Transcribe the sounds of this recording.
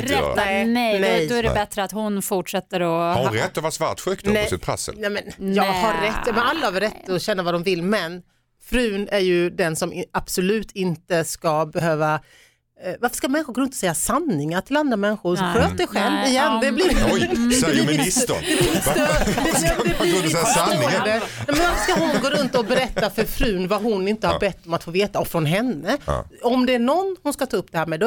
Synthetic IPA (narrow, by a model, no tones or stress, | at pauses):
ɛnɛnɛjd̪oæɾɛbɛt̪ɾəat̪hʊnfʊʈʂɛt̪ːəɾɔhaɾɛt̪ːɔvasva̰t̪ɧøːkd̪nɛsɪpʰɾɛ̰sːə̰nɛmɛnjɑːɡhaɾːɛt̪ːjɑmɛnalːahɑvɾɛt̪ːɔɕɛnːavad̪ɔmvɪlːmɛn | fɾʉ̟ːnæɾjɵd̪ɛnsɔmɪab̥sɔlʉ̟ːt̪ʰɪnt̪əskabɛɦøːva | vaɾfə̥ʂkamɛnːɪɧʊɾɡoːɾɵnt̪ɔsɛjːasanːɪŋaʈʰɪland̪ɾamɛnːɪɧʊɾɔɧøːt̪̚d̪ɛɧɛlvɪjɛnːd̪ɛblɪdd̪ɛisd̪ɛblɪst̪øɛmd̪ɛbɪ | d̪ɛɛmɛnvaɾfəʂkahʊnɡoːɾɵnt̪ɔkbɛɾɛt̪ːafœɾfɾʉ̟ːnvaɦʊnɪnt̪əhabɛt̪ːɔmat̪foːveːt̪aɔkfɾɔnɦɛnːə̰ɔmd̪ɛæɳɔnːhʊnskat̪ʰɑːɵpd̪ɛhæːɾmɛːd̪ɔ